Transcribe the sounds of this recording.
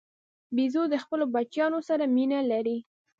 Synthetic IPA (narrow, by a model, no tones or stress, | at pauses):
bizod̪əxpəlobat͡ʃjɑnosaɾaminalaɾi